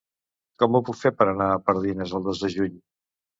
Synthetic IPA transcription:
kɔmupukfepəɾənaəpəɾðinezəlˠd̪ozðəʒuɲ

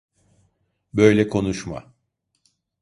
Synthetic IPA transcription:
bø̞jlʲɛkʰo̞nuʃma̰

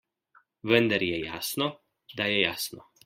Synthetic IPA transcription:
ʋɛnd̪ɛɾjɛja̰sno | d̪ajɛjasno̰

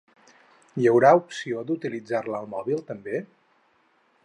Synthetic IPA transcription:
jəwɾaupsiod̪ut̪ilid͡zarləːlˠmɔβilˠt̪əmbe

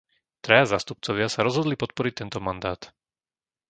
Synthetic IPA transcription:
t̪ɾɛjazaːst̪up̚t͡sɔʋɪasaɾɔzɦɔd̪lipɔt̪̚pɔɾic̚t̪ɛnt̪ɔmand̪aːt̪

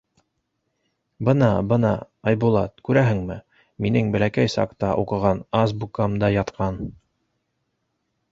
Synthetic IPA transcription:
bɤnɑbɤnɑ̰ | ɑjbulˠɑt̪kʉɾæɦɘ̆ŋmɘ | minɘŋbɘ̆lækæjsɑ̰qt̪ɑʔuqɤ̆ʁɑnɑsbukɑmd̪ɑjɑt̪qʰɑn

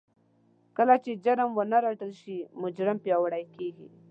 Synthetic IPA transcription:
kəlat͡ʃed͡ʒaɾəmwənaɾaʈəlʃimʊd͡ʒɾɪmpjɑwaɽajkeɡḭ

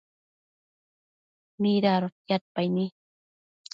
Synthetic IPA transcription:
miɾaɾot̪jat̪̚pajnɪ

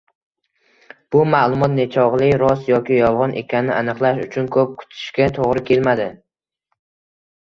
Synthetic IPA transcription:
b̥ʊmalˠʊmɒt̪net͡ʃʰɒʁlˠɪɾɒsjɒkʲɪjɒlˠʁɒnʔe̞̰kʲʰannɪʔanɨqlˠaʃʊ̰t͡ʃʰʊnkʰɵp̚kʰʊ̥t̪ʰɪ̥ʃkʲat̪ʰoʁɾɪkʲʰe̞lmad̪ɪ

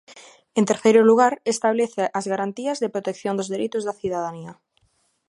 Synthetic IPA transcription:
ent̪eɾθejɾoluɣ̞aɾest̪aβ̞leθeʔazɣaɾant̪iazðepɾot̪ekθjond̪ozðeɾit̪ozðaθjuðaðania

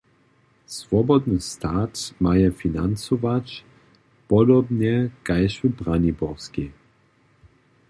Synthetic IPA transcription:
svɔbɔd̪nəst̪aːtmajɛfina̰nt͡sɔvat͡ɕ | pɔdɔbnɛkajʃubʁanibɔʁski

